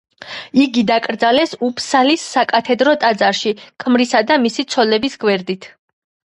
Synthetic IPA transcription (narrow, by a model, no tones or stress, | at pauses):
iɡid̪akʼɾd̪zalɛsupʰsalisːakʼat̪ʰɛd̪ɾɔt̪ʼad̪zaɾʃikʼʰmɾisad̪amisit̪sʰɔlɛbisɡwɛɾd̪it̪ʰ